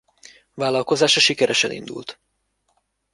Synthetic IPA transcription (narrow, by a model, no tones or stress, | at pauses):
vaːlɒlko̞zaːʃɒʃikɛɾʔɛʃɛnḭnd̪ṵlt̪